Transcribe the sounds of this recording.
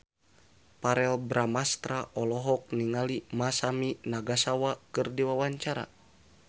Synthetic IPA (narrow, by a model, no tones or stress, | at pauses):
paɾɛlbɾamast̪ɾaʔɔlɔɦɔk̚niŋalimasaminaɡasawakɨrdiwawaɲt͡ʃaɾa̰